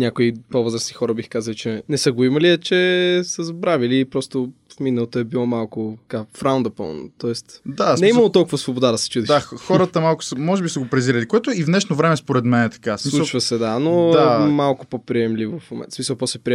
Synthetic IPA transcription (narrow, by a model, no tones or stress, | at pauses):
nʲakoipovɤzɾəsnixɔɾɐbixkazɐlˠit͡ʃɛnɛsəɡoimɐliɛt͡ʃɛsəzɐbɾaviliːpɾɔst̪ofminɐlˠot̪oɛbilˠɔmalˠkʊt̪ɐ̥kafɾaʊnd̪ɐpə̰lˠno̰t̪ɔɛst̪d̪anɛimɐlˠot̪ɔlˠkʊvəsvobod̪ad̪ɐsɛ̥t͡ʃud̪ɛaxɔɾət̪əmalˠkʊ̥səmɔʒɛbisəɡopɾɛziɾʲɛlikoɛt̪oivnɛʃnovɾɛmɛspoɾɛd̪mɛnɛt̪ɐ̥kasilˠuʃvəsɛd̪anomalˠkʊpopɾiɛmlivofmomɛ̰nt̪smisəlˠpɔsɛpɾi